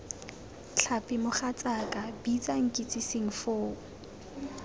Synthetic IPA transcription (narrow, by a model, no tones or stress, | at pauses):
t͡ɬʰapʼɪmʊχat͡sʼakʼabit͡sʼaŋ̩kʼit͡sʼiseŋ̩foːʊ